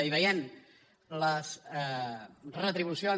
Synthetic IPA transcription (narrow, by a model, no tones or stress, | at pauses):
iβəjen | ləzɛrət̪ɾiβusio